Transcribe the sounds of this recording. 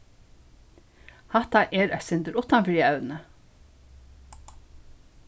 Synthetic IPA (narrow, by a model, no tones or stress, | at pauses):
hɑt̪ɑʔeːɾœsɪnd̪əɾʊt̪ɑnfɹiːəɑʉnə